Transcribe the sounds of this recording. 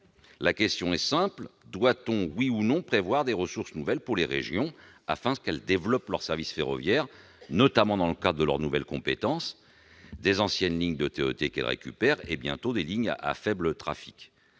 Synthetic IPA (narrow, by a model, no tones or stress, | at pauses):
lakʲɛst̪jɔ̃ɛsɛ̃pld̪wat̪ɔ̃wiunɔ̃pχevwaʁd̪eʁəsuʁsnuvɛlpuʁleʁḛʒjɔ̃ | a̰fɛ̃kɛld̪evlɔplœʁsɛʁvisfeʁɔ̰vjɛʁ | nɔt̪amɑ̃d̪ɑ̃ləkad̪ʁəd̪əlœ̰ʁnuvɛlkɔ̃pet̪ɑ̃s | d̪ezɑ̃sjɛnliɲd̪ət̪eøt̪ekɛ̰lʁḛkʲy̰pɛʁḛbjɛ̰̃t̪od̪eliɲ̰a̰fɛblət̪χa̰fi̥k